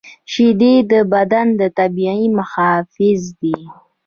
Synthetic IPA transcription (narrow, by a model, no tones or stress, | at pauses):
ʃid̪ed̪əbad̪and̪ət̪abiaimʊxɑfɪzd̪i